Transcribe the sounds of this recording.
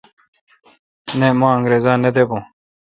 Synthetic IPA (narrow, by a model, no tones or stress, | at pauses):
nemãːɐ̃ŋɡɾeːzãːned̪ebõː